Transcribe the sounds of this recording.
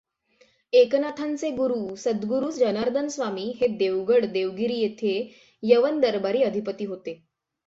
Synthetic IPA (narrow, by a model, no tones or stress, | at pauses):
eknat̪ʰant͡seɡuɾuːsəd̪ɡuɾuːsd͡ʑənaɾd̪ʱənsʋamiːɦed̪eʋɡəɽd̪eʋɡiɾiːjet̪ʰe | jəʋənd̪əɾbaɾiːəd̪ʱipət̪iːɦot̪e